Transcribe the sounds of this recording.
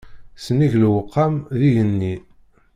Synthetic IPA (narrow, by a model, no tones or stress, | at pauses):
səniʝlwəqʰːamðiʝənːi